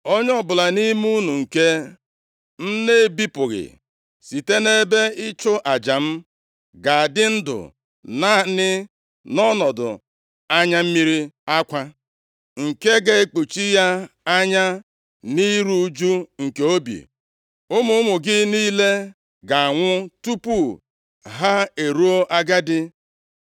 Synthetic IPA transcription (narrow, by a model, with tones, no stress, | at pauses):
o˦ɲ˦ɔ˨bʊ˨la˨ni˦mu˦nu˨ŋ̩˨ke˦ | n̩˦ne˦˨bi˦pʊ˨ɣɪ̰˨ | si˨te˦ne˦be˦ɪ˦t͡ʃʊ˦ʔa˨d͡ʒa˨m̩˦ | ɡa˨a˨dɪ˦n̩˦dʊ̰˨ | na˦nɪ˦ | nɔ˦nɔ˨dʊ̰˨ | a˦ɲa˦m̩˦mi˦ɾi˦a˦kʷa˦ | ŋ̩˨ke˦ɡe˦e˦k͡pu˨t͡ʃi˦ja˦a˦ɲa˦ | ni˦ɾu˦d͡ʒu˦ŋ̩˨ke˨o˦bḭ˨ | ʊ˦mʊ˦ʊ˦mʊ˨ɡɪ˦niː˦le˦ | ɡa˨a˨ŋʷʊ˦tu˦pu˦ | ɦa˦e˨ɾu˦o˦ʔa˦ɡa˦dɪ˦